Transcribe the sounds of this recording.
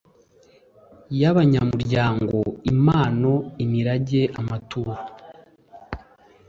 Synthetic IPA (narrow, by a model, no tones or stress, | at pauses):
jaβaɲamuɾɟaːŋɡo̞imaːno̞imiɾaɟe̞ʔamatuːɾa